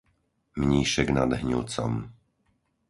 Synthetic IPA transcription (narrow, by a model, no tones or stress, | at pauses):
mɲiːʃɛɡnad̪ɦɲuːt͡sɔ̰m